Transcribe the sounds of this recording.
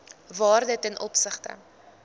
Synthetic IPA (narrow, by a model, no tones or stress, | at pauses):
vɑːrdətɛnʔɔpsəχtə̰